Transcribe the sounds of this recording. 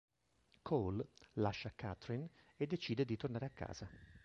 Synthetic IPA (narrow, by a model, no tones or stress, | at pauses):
kʰollaʃːakːa̰t̪ɾin | ed̪ːet͡ʃiːd̪ed̪it̪ornaːɾeakːa̰ːz̥a